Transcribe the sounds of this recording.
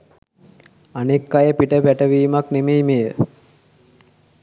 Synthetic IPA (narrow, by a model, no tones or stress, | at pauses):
anekːajəpiʈəpæʈəʋiːmaknemejmejə